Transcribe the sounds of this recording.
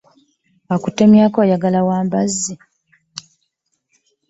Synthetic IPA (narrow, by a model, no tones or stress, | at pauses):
akutːemjaːkoːjaɡalawaːmbazːi